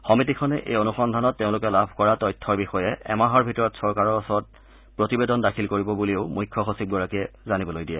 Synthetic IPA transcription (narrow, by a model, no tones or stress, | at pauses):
xɔmitikʰɔnɛʔḛjonuxɔndʱanɔtːeʊ̃lʊkɛlabʱkɔɹatɔjtʰːɔɹbixɔjɛɛ̰maɦɔɹbʱitɔɹɔtsɔɹkaɹɔɔsɔt̚ | pɹotibedɔndakʰilkoɹibɔbuliʊmujkʰːɔxosib̚ɡɔɹakɛzanibɔlojdijɛ